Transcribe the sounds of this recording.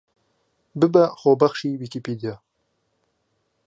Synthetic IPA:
bɪbaχobaxʃiwikipid̪ija

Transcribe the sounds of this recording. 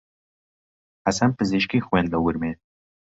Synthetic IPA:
hɐsɐnpɨziʃkiːxweːnd̪lɐwuɾmeː

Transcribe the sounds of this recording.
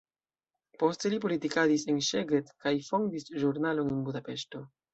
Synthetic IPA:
po̞ste̞lip̬o̞litikadise̞nʃe̞ɡetkajfo̞ndisʒuɾnalo̞nenbudape̞ʃto̞

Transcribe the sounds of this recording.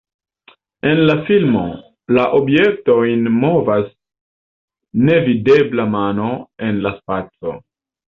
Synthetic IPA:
e̞nlafilmo̞̰ | laʔo̞bje̞k̚to̞jnmo̞vas | ne̞vide̞blamano̞e̞nlaspat͡so̞̰

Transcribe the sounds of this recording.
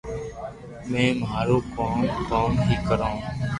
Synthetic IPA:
mẽːmaːɾoːkoːnkoːnɦiːkəɾãː

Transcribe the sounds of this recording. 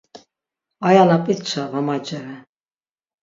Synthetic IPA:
ajalapʼit̪t͡ʃʰavamat͡ʃʼɛɾɛ

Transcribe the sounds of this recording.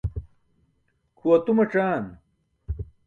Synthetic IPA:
kʰuɐt̪umɐʈ͡ʂaːn

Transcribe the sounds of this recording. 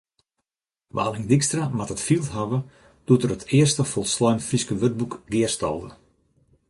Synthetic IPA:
ʋa̰ːliŋdikstramatətfilˠtɦaʋə | d̥utərətʰɪərstəfɔlˠslɔjnfiskəʋøt̚bukɡɪərstɔ̰lˠdə̰

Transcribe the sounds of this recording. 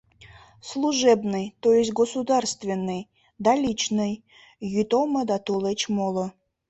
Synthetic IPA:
slˠuʒɛbnɨjt̪ojesʲɡosud̪ɑrst̪vʲenːɨj | d̪ɑlʲit͡ɕnɨj | jyt̪oməd̪ɑt̪olet͡ɕmolo

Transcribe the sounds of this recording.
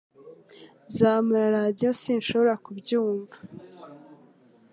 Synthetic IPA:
zaːmuɾaɾaːdijo̞siːnʃo̞βo̞ɾakubjuːɱva

